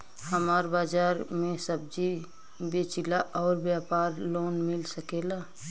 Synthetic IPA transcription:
həmaːɾbaːd͡ʒaːɾmẽsəb̚d͡ʒi | beːt͡ʃilaʔɔːɾbjaːpaːɾloːnmɪlsəkeːlaː

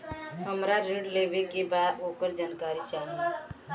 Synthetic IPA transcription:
ɦəmɾaɾeɖleːʋekebaːd̪oːkəɾd͡ʒankaːɾit͡ʃaːn

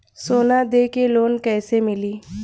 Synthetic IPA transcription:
soːnad̪eːkeloːnkɛːsemɪliː

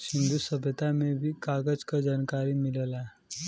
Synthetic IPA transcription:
sɪ̃nd̪usəbʱət̪amẽbʱikaːɡəd͡ʒkad͡ʒaːnkaːɾimɪləla

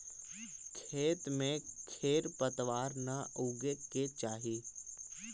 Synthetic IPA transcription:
kʰeːt̪mẽkʰeːɾpət̪ʋaːɾnaʔuɡeket͡ʃaːɦiiː

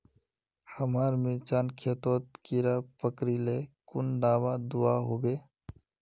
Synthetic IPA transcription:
həmaːɾmɪt͡ʃaːnkʰet̪oːt̪kiɾaːpəkɾileːkʊnd̪aːʋad̪ʊaːɦoːbeː

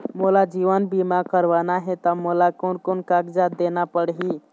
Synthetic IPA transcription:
molad͡ʒiʋənbimakəɾbanaɦet̪əmolakonkonkaɡd͡ʒad̪enapəɽɦi

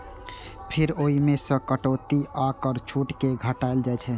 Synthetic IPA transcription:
pʰiɾoɦimesə̃kəʈot̪iakəɾt͡ʃʰuʈkeɡʱəʈaeld͡ʒajt͡ʃʰɛ

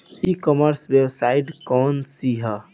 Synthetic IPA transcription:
ikɔməɾsʋewsaiʈkɔnsiɦə

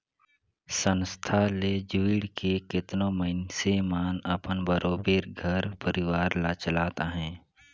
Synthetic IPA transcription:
sə̃nst̪ʰaled͡ʒuiɽkekɪt̪nõməɪnsemaːnəpənbəɾoːbeːɾɡʱəɾpəɾɪʋaːɾlat͡ʃəlaːt̪aɦɛ̃ː

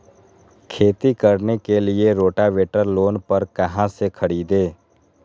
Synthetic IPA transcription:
kʰeːt̪ikɐɾnekelɪeɾoːʈaʋeːʈəɾloːnpɐɾkɐɦãsekʰəɽiːd̪eː

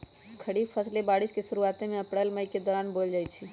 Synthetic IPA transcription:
kʰəɽipʰəslebaːɽiskesʊɾuaːt̪ẽmẽəpɽəlməjked̪ɔːɾaːnbold͡ʒaːjt͡ʃʰi

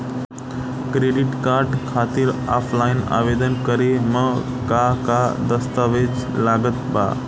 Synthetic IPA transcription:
kɾeɖiʈkaːɾɖkʰaːt̪iɾa̰ːpʰlaina̰ʋed̪ənkəɾemə̃ | kakad̪əst̪aʋed͡ʑlaːɡət̪ba̰

